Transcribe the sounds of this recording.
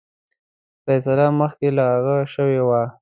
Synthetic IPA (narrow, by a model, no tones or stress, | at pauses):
fɛsalaməxkelaaɣaʃəwewa